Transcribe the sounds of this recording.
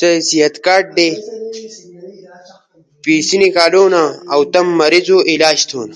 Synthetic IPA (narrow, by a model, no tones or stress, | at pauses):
t̪ɐsiɦɐt̪kaːʈ̚d̪e | piːsinikaːloːnaɐwt̪ɐmːɐɾizoʔilaːd͡ʑt̪ʰoːn